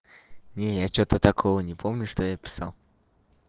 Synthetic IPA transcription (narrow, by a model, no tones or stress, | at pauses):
nʲejat͡ɕot̪ət̪ɐkʰovənʲɪpʰomnʲʊʂt̪ojapʲɪ̥sa̰lˠ